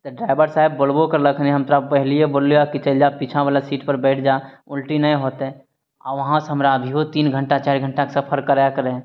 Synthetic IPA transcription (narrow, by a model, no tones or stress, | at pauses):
t̪oɖɾaːɪbəɾsaːɦɪbːolbokəɾləkʰnɦɐmt̪ɾapəɦlieboːljakit͡ʃəld͡ʒapit͡ʃʰãʋalasiːʈpəɾbɛːʈʰd͡ʒaː | ʊlʈinəẽɦoːt̪ɦɛ̃ | a̰ʋɐɦãsəmɾabʱiɦot̪iːnɡʱəɳʈat͡ʃaːɾɡʱə̃ɳʈakesɐpʰəɾkəɾajakəɾeɦ